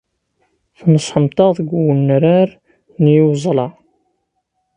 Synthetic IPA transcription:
θnəsˤħəmt̪ˤɑðˤəɡʷwənːɾaɾ | njiwzˤlɑ

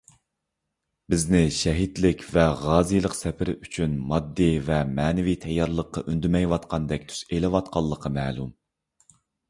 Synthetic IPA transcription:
bɪznɪʃɛɦit̪lɪkʲvɛʁɑːzɨjlˠəqsɛpʰɪɾɪyt͡ʃʰynmɑd̪ːivɛmɛːnɪvit̪ʰɛjːɑɾlˠəqːɑʔynd̪ymɛjwɑt̪qʰɑnd̪ɛk̚ʲt̪ʰy̥selɪwɑt̪̚qʰɑlˠːəqʰːɑmɛːlˠum

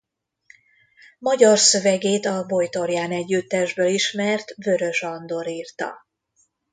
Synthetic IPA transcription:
mɒɟɒrsø̞vɛɡeːt̪ɒbojt̪o̞rjaːnɛɟːyt̪ːɛʒbøliʃmɛrt̪vø̞ɾø̞ʒɒnd̪o̞ɾiːrt̪ɒ̰

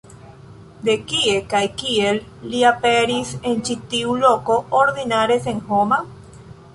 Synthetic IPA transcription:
d̪ekiekajkielːiapeɾisent͡ʃit̪iulokoːɾðinaɾeseŋhoma

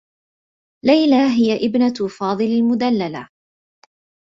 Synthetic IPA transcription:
lajlaɦɪjaʔɪbnafɑːðˤɨlalmʊd̪alːala

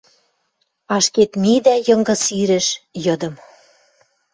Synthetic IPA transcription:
ɑʃket̪mid̪æjɤ̆ŋɡɤ̆siɾɘ̆ʃjɤ̆d̪ɤ̆m

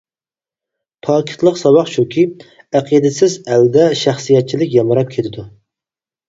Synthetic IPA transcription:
pʰɑːkʰʲi̥t̪lˠəqsɑwɑqʃukʲʰi | æqʰid̪ɪsɪzæld̪ɛʃæχsɨjɛt̪̚t͡ʃʰilɪkʲjɑmɨɾɑp̚kʲʰet̪ʰɪd̪u

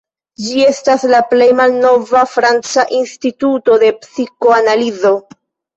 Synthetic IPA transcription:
d͡ʒie̞staslaple̞jmalno̞vafɾant͡saʔinstituto̞de̞psiko̞analizo̞

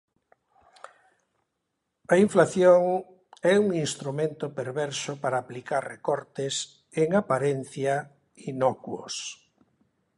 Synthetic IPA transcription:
aiɱflaθjoŋ | ɛuŋinst̪ɾumẽnt̪opeɾβɛɾsʊpaɾaːplikaɾrekɔɾt̪es | eŋapaɾen̟θja | inɔkwo̰s

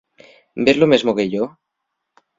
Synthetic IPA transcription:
beɾlomezmokeʝo

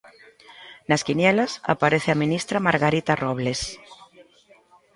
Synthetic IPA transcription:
naskinjelasa̰paɾeθeaminist̪ɾamaɾɣaɾit̪aroβles

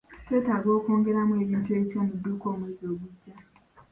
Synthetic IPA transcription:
tetaɡokoŋɡeɾamũed͡ʒiteit͡ʃomudukomezobud͡ʒa

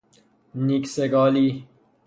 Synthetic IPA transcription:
nikseɡɔːliː

